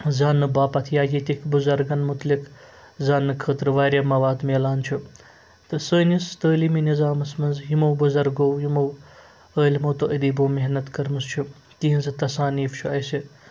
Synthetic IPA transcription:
zaːnːɨbaːpɐt̪ʰjaːjit̪ʲikʰbuzɐɾɡɐnmʊt̪lik | zaːnːɨkʰəːt̪ɾɨʋaːɾʲjamɐʋaːd̪meːlaːnt͡ʃʰu | t̪ɨsəːnist̪əːliminizaːmɐsmɐnzɦjimowbuzɐɾɡoːwjimow | əːlmoːt̪oʔid̪iːboːmeɦnɐt̪kɐɾmɨst͡ʃʰu | t̪iɦinzɨt̪ɐsaːniːft͡ʃʰuɐjsi

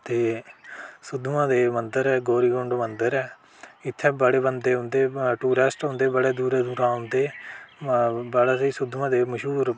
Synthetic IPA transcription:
t̪eː | sʊd̪ʋãːd̪eːmənd̪əɾɛːɡoːɾiːɡʊɳɖmənd̪əɾɛː | ɪt̪ʰːɛːbəɽeːbənd̪eːɦʊ̃nd̪eːʈuːɾɛsʈɦʊ̃nd̪eːbəɽeːd̪uːɾeːd̪uːɾãːɦʊ̃nd̪eː | bəɽaːsiːsʊd̪ʱʋãːd̪eːməʃuːɾ

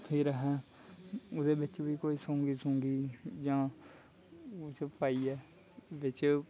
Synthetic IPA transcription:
hʰiːɾəɦɛː | ʊd̪eːbɪt͡ʃʋiːkoːiːsõːŋɡiːsõŋɡiːd͡ʒãː | ʊt͡ʃpaːiːɛː | ʋɪt͡ʃ

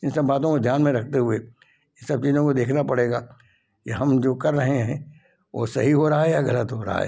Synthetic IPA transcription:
ɪ̃nsɐbːaːt̪õkod̪ʱjaːnmẽɾɐk̚ʰt̪eɦue | ɪ̃nsɐb̚t͡ʃiːzõkod̪eːkʰnapɐɽeːɡaː | kiɦɐmd͡ʒoːkɐɾːɐɦeɦɛ̰̃ | ʋo̰ːsɐɦiɦoːɾaɦaɦɛjaɡɐlət̪ɦoːɾa̰ɦa̰ɦɛ̰ː

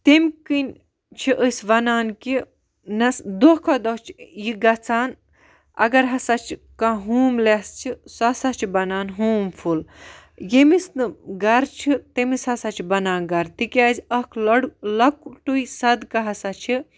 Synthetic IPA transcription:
t̪emʲkɨnʲ | t͡ʃʰiʔəsʲʋɐnaːnki | nɐsd̪ohkʰod̪ot͡ʃʰjiɡɐt͡saːn | ɐ̰ɡɐɾɦɐsat͡ʃʰ | kaɦuːmlest͡ʃʰisɐsat͡ʃʰibɐnaːnɦuːmfʰul | jemisnɨɡɐɾt͡ʃʰit̪emishɐsat͡ʃʰibɐnaːnɡɐɾt̪ikʲaːzʲɐkʰlɐɽlɐkʈuisɐd̪kɐɦɐsat͡ʃʰi

